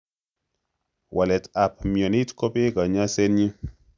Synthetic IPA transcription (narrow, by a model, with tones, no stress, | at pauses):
wʔa˨lɛ˨ta˨p̚mjɔ˨ni˦tkɔ˦pe˦ka˨ɲa˦sɛ˦nɲi˦